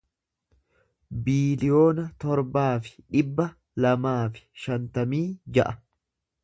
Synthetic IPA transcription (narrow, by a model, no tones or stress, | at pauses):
biːlɪjo̞ːnɐt̪ɔɾbaːfɪ̥ᶑɪbːɐ | lɐmaːfɪ̥ʃɐnt̪ɐmiːd͡ʒɐ̰ʔɐ